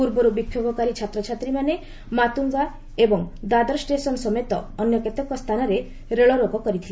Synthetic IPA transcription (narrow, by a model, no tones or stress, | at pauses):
uɾbɔɾubikʰjobɔkaɾit͡ʃʰat̪ɾɔt͡ʃʰat̪ɾimane | mat̪uŋɡa | ebɔŋd̪ad̪ɔɾsʈesɔnsɔmet̪ɔːnjɔket̪ɔkːɔst̪ʰanɔɾe | ɾeɭɔɾoɡɔkɔɾit̪ʰila